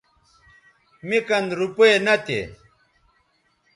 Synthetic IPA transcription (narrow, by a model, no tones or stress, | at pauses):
mikɐnɾupoenɐt̪ḛ